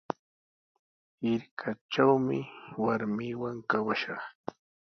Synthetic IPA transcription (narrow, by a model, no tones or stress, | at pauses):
ɪɾkʰat͡ʃawmɪwaɾmɪwaŋkawaʃɑχ